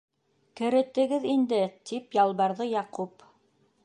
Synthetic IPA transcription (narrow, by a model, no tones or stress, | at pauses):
kɘ̆ɾɘ̆t̪ɘ̆ɡɘðind̪ɘt̪ipjɑlˠβɑɾðɤjɑqup